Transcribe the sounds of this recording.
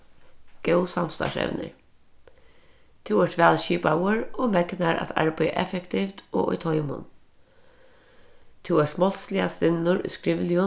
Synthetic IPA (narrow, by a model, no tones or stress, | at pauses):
ɡ̥ɛwsamst̪ɑ̰ʂɛ̰ʋnɪ̰ɹ | t̪ʰɪwɛʂt̪ʋɛːlʃiːpawəɾɔmɛknaɾa̰t̪ʰa̰ɹpej̰ʔɛ̰fɛkt̪ʰift̪ɔ̰ːʔʊ̰jt̪ʰɔjmʊ̰n | t̪ʰɪwɛʂt̪mɔlslɪast̪ɪnːʊɾʊ̰jskɾɪʋlɪʊ